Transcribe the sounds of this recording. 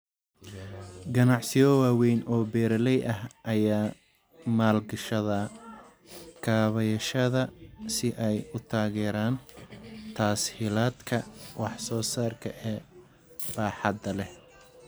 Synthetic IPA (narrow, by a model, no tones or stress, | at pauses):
ɡɐnɑʕsɪjɔwaːwɛjnʔɔːbɛːɾɐlɛjʔɐɦʔɐjaː | maːlɡɐʃɐðɐ | kʰaːβɐjɐʃɐðɐsɪʔɛjʊt̪ʰaːɣɛːɾaːnt̪ʰaːshɪlaːd̪kʰɐwɑħsɔːsaːrkʰɐʔɛː | b̥aːħɑd̪ɐlɛh